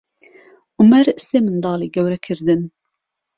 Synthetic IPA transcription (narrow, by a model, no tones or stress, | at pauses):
ʔʊmɛɾseːmɨnd̪ɑːliːɡɛwɾɛkʰɨɾd̪ɨn